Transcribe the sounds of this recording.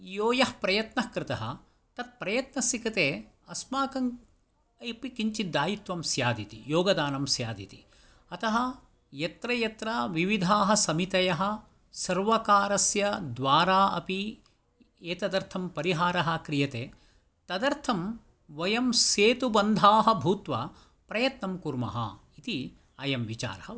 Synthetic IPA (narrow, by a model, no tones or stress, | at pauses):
joːjɐhpɾɐjɐt̪nɐhkɾɪt̪ɐɦɐ̰̆ | t̪ɐt̪̚pɾɐjɐt̪nɐsikɐt̪eː | ɐsmaːkɐŋ | ɐpikiɲt͡ʃid̪ːaːjit̪ʋɐmsjaːd̪it̪ijoːɡɐd̪aːnɐmsjaːd̪ḭt̪i | ɐt̪ɐɦɐ | jɐt̪ɾɐjɐt̪ɾaʋiʋid̪ʱaːɦɐ̆sɐmit̪ɐjɐɦɐ̆ | sɐɾʋɐkaːɾɐsjɐd̪ʋaːɾaːʔɐ̰pi | eːt̪ɐd̪ɐɾt̪ʰɐmpɐɾiɦaːɾɐɦɐ̆kɾijɐt̪eː | t̪ɐd̪ɐɾt̪ʰɐm | ʋɐjɐmseːt̪ubɐnd̪ʱaːɦɐ̆bʱuːt̪ʋɐ | pɾɐjɐt̪nɐmkuɾmɐ̰ɦɐ̰ | it̪i | ɐjɐmʋit͡ʃa̰ːɾɐhɐ